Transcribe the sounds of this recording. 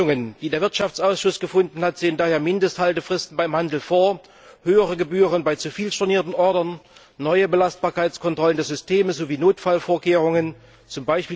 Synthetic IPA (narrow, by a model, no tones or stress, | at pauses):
ʊŋənd̥iːdeːɐvɪɐtʃaft͡sʔaʊsʃʊsɡ̥əfʊndn̩hatz̥eːəndaːheːɐmɪndəsthaltəfʁ̥ɪstn̩baɪmhandl̩foːɐ | høːəʁəɡəbyːʁənbaɪt͡sufiːlʃtʊɐniːɐtn̩ʔɔɐdɐnː | ɔʏəbəlast̚b̥aːɐkʰaɪt͡skʰɔntʁ̥ɔləndeːɐzʏstʰeːməzoːviːnoːtfalfoːɐkʰeːʁ̞ʊŋən | t͡sʊmbaɪʃpiː